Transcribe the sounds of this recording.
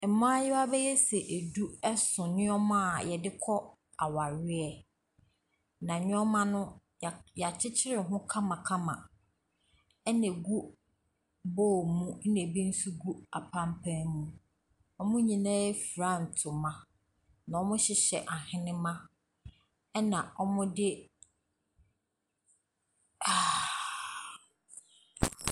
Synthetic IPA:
ɛ˨mã˦a˦jɪ˦a˦bɛ˦jɛ˦sɛ˨ʔe˨du˦ɛ˦sʊ̃˨nɪ̃˦ɔ˦mʊ̃˦a˨jɛ˨dɪ˦kʰɔ˦ | a˨wa˨ɾɪ˦ɛ˨ | nã˨ɲᶣʊ̃˦ɔ˦mã˦nʊ̃˦˨ | ja˨t͡ɕʰɪ˦t͡ɕʰɪ˦ɾɪ˨ɦʊ̃˦kʰã˦mã˨kʰã˦mã̰˨ | ɛ˦nɛ̃˨ɡu˦ | boː˦˨mũ˦n̩˦nẽ˨bi˦n̩˦su˦ɡu˦a˨pʰã˦m˦pʰæ̃˦mũ˦ | ɔ˦mʊ̃˦ɲĩ˨nã˦ɛ˦fɾa˦˨n̩˨tʰʊ˨mã˨ | nã˨ɔ˦mʊ̃˦ɕɪ˨ɕɛ˨ʔa˨hɪ̃˦nɪ̃˦mã˦ | ɛ˦nã˨ɔ˦mʊ̃˦dɪ˦ | a˨

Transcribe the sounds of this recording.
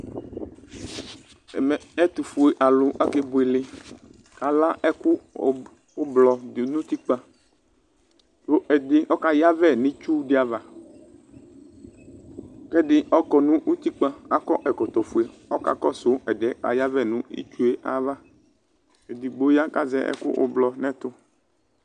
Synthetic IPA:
mɛ˨ɛ˦t̪u˨fu˨e˨ʔa˨lʊ˨ʔa˦ke˦bʊ˨e˨lɪ˦ | ka˨la˦ʔɛ˦kʊ˦ | ʊ˦blɔ˨nũ˦t̪i˦k͡pa˦ | to˦ʔɛ˨dɪ˦ʔɔ˦ka˦ja˦vɛ˦˨nɪ̃˦t͡ʃu˦dɪ˦a˨va˨ | kɛ˦dɪ˦ɔ˦kɔ˨nʊ̃˦ʔu˦t̪i˦k͡pa˦a˦kɔ˦ʔɛ˨kɔ˨t̪ɔ˨fu˨e˨ɔ˦ka̰˨kɔ˦sʊ˨˦ɛ˨dɛ˦ka̰˨ja˦vɛ˦˨nʊ̃˦ḭ˦t͡ʃu˦e˦ʔa̰˨va˦ | e˨dɪ˨ɡ͡bo˨˦ja˦ka˦zɛ̰˦ʔɛ̰˦kʊ̰˦ʔʊ̰˦blɔ˨nɛ̃˦t̪ʊ˦

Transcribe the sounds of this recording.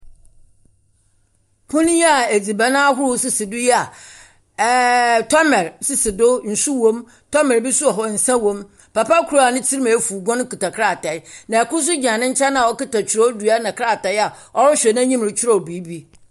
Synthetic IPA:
pʰʊ̃˦nĩ˦a˨e˨d͡zi˨ba˨nã˦ɦʊ˦ɾʊ˦sɪ˦sɪ˨dʊ˦jɛ˦a˨ | tʰɔ˦mɛ˨ɾsɪ˦sɪ˨dʊ˦n̩˨su˦wõ˦m | tʰɔ˦mɛ˨bɪ˦su˦ɔ˨ɦɔ˨n̩˨sã˦wõ˦m | pa˨pa˦kʰu˨ɾa˦a˨nɪ̃˦tʰi˦ɾmã˨˦fu˨ɡɔ̃˦n˦ku˨ta˨kʰɾa˦˨tʰa˨ɪ˦nã˨æ˨kʊ˦s̬ʊ˦d͡ʑã˨nɪ̃˦ɲ̩˦t͡ɕʰa˦nã˨wɔ˦kɪ˦ta˨t͡ɕʰɪ˨ɾɔ˦du˨a˦nã˨kʰa˦˨ta˨ɪ˦a˨ | ɔ˦ɾʊ˦ɕᶣɛ˨nã˦ɲĩ˦m˨ɪ˨t͡ɕʰɪ˦ɾɔ˨bi˨˦bi˦

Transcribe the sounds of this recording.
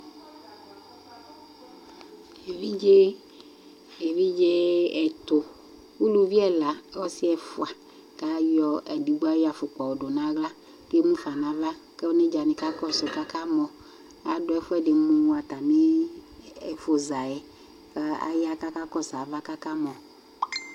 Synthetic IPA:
e˨vi˦d͡ʒe˦ | e˨vi˦d͡ʒe˦ɛ˨t̪o˨ | wu˦lu˨vi˦ɛ˦la˨˦wɔ˦si˦ɛ˦fo˦˨a˨ | ka˦jɔ˦ɛ˨di˨ɡ͡bo˦a˦jɔ˦a˨fo˨k͡pɔ˨wo˨ɖo˨nã˦ɡla˦ | ke˦mũ˦fa˨nã˨va˦ke˦wo˦ne˦d͡ʒa˨nĩ˨ka˦kɔ˦sɔ˨ka˦ka˦mɔ̃˨ | a˨ɖo˨˦ɛ˨fo˦ɛ˦ɖe˨mũ˦wa˨t̪a˨mẽ˦ | ɛ˨fo˨za˨ɛ˦ | ka˦a̰˦ja˦ka˦ka˦kɔ˦sa˨va˦ka˦ka˦mɔ̃˨

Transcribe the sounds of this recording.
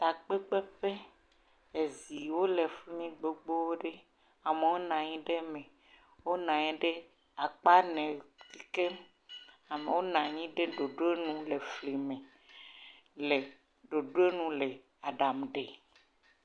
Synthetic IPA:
t̪a˨k͡pe˦k͡pe˦ɸe˦ | e˨zi˨wo˦le˨fi˦mĩ˦ɡ͡bo˨ɡ͡bo˦wo˦ɖe˦ | a˨me˨wo˦nã˨ɲĩ˦ɖe˦mẽ˨ | wo˦nã˨ɲɛ̃˨ɖe˦ | a˨k͡pa˦nɛ̃˨ki˦ke˦m | a˨mḛ̃˨wo˦nã˨ɲĩ˦ɖe˦ɖo˨ɖo˦e˦nũ˦le˨fli˨mẽ˨ | le˨ | ɖo˨ɖo˦e˦nũ˦le˨ | a˨ɖa˨mɖe˨

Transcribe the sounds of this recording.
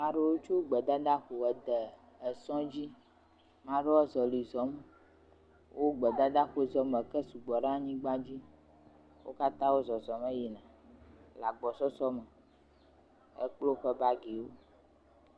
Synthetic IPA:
mã˦ɖe˦wo˦t͡ʃo˦ɡ͡bɛ˨d̪a˦d̪a˦xo˨ɛ˨d̪ə˨ | ɛ˨sɔ̃˦d͡ʑi˦ | mã˦ɖe˦wɔ˦zɔ˨li˨zɔ˨m | wʔo˦ɡ͡bɛ˨d̪a˦d̪a˦xo˦zɔ˦mɛ˨kɛ˦su˨ɡ͡bɔ˨ɖã˦ɲĩ˦ɡ͡bã˦d͡ʑi˦ | wo̰˦ka˦t̪ã˦wo˦zɔ˨zɔ˨mɛ˦ji˨nã˨ | la˨ɡ͡bɔ˨sɔ˦sɔ˦mɛ˨ | ḛ˦k͡plo˦ɸɛ˦ba˦ɡi˨wo˦

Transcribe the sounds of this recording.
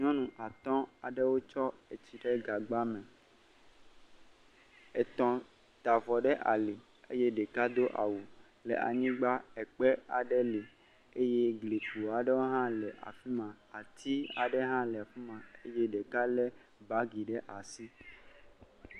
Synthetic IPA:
ɲɔ̃˦nũ˨ʔa˨t̪ɔ̃˦a˨ɖɛ˦wo˦t͡ʃɔ˦e˨t͡ɕi˨ɖɛ˦ɡa˨ɡ͡ba˦mɛ̃˨ | ɛ˨t̪ɔ̃˨ | t̪a˨vɔ˨ɖɛ˦ʔa˨li˨ | ḛ˦je˦ɖɛ˨ka˦d̪o˦ʔa̰˨wu˨ | lḛ˨ʔa̰˨ɲĩ˦ɡ͡ba˦ɛ˨k͡pɛ˦a˨ɖɛ˦le˨ | e˦je˦ɡle˨ku˨a˨ɖɛ˦wo˦ɦã˦lɛ˨ʔa̰˨fi˦mã˨ | a˨t̪ʰi˦a˨ɖɛ˦ɦã˦lɛ˨a˨fi˦mã˨e˦jɛ˦ɖɛ˨ka˦lɛ˦ | ba˦ɡi˨ɖɛ˦ʔa˨si˦

